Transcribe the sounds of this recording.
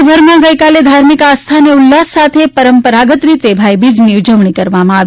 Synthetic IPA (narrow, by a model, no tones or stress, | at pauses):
bʱəɾmãɡəjkaled̪ʱaɾmikast̪ʰaneulːasssat̪ʰepəɾəmpəɾaɡət̪ɾit̪ebʱajbid͡ʒniud͡ʒəʋɳ̃ikəɾʋamãaʋ